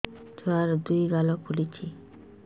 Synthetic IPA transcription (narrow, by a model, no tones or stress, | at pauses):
d͡ʒoaɾd̪ujɡalokʰulit͡ɕʰi